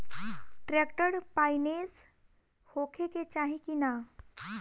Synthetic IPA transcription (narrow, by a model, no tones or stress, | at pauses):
ʈɾekʈəɾpajnes | hokʰeket͡ɕaɦikina